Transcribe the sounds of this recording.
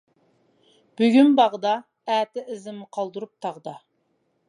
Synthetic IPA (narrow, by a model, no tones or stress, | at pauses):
b̥yɡʲymbɑʁd̪ɑ | æːt̪ɪɪzɪmːɨqʰɑlˠd̪uɾup̚t̪ʰɑʁd̪ɑ